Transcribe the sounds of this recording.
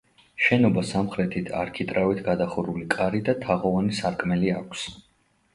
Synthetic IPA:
ʃɛnɔbasamχɾɛt̪ʰit̪ʰa̰ɾkʰit̪ʼɾavit̪ʰɡad̪aχuɾulikʼaɾid̪at̪ʰaʁɔvanisaɾkʼmɛliakʷʰs

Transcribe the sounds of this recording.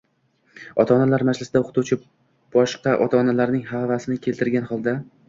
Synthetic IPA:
ɒ̰t̪ʰaːnalaɾmad͡ʒlɪsɪd̪aoqt̪ʰut͡ʃʰɪ | b̥ɒʃqɑʔɒt̪ʰaːnalaɾnɪŋhavasɪnɪkʲʰelt̪ʰɪɾɡʲanhɒlˠd̪a

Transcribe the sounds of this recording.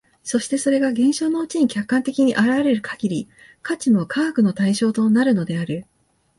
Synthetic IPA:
so̞ɕi̥t̪e̞so̞ɾe̞ɡaɡẽ̞ɰ̃ɕo̞ːno̞ɯ̟t͡ɕiɲ̟ikʲakːãnt̪e̞kʲiɲ̟iʔaɾaβaɾe̞ɾɯ̟kʰaɡʲiɾʲi | kʰat͡ɕimo̞kʰaːkɯ̟no̞t̪aiɕo̞ːt̪o̞naɾɯ̟no̞d̪e̞aɾɯ̟

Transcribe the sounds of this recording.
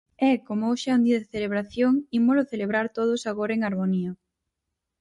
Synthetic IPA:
ɛkomooʃɪɛund̪iɐðɪθeleβɾaθjoŋimoloθeleβɾaɾt̪oðʊsaɣoɾɐeŋaɾmoniɐ

